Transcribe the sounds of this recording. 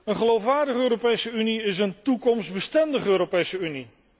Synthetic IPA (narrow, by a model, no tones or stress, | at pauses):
ənχəlowfʋaːɹdəχəøːɾopejsəyniɪsəntukɔmszdbəstɛndəχəøːɾopejsəyni